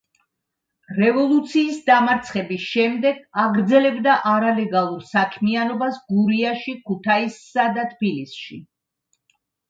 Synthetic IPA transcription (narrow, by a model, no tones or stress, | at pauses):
ɾɛvɔlˠut̪sʰiːsd̪amaɾt̪sʰχɛbisʃɛmd̪ɛɡaʁɾd̪zɛlɛbd̪aʔaɾalɛɡalˠuɾsakʰmianɔbasɡuɾiaʃikʰut̪ʰaisːad̪at̪ʰbilisʃḭ